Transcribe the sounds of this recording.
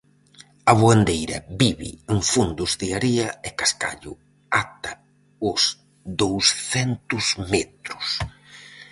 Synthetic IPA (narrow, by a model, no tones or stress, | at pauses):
aβwand̪ejɾɐ̰biβɪ̰eŋfund̪ʊzðiaɾiɐekaska̰ʎʊ̰ | at̪ɐ | ʊs | ðowsθɛnt̪ʊzmɛt̪ɾʊs